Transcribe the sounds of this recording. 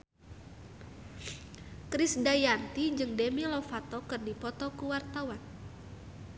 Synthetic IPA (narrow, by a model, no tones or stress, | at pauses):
kɾisdajant̪id͡ʒɨŋdemilɔfat̪ɔkɨrdipɔt̪ɔkuwart̪awan